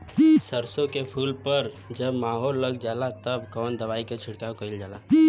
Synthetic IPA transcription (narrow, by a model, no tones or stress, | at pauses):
səɾsõkepʰuːlpəɾ | d͡ʒəbmaːɦoːlːəɡd͡ʒaːlat̪əbkɔːnd̪ɐʋaːiket͡ʃʰɪɽkaːokəɪld͡ʒaːlaː